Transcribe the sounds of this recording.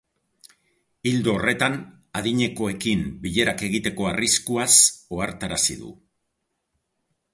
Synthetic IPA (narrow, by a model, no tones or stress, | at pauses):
ild̪oːre̞t̪an | aðiɲe̞ko̞e̞kimbiʎe̞ɾake̞ɣit̪e̞ko̞ariskuaso̞aɾt̪aɾasḭðṵ